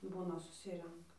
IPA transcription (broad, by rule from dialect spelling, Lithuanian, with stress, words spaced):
ˈbuːnɐ sʊˈsʲɪrʲɛŋkɐ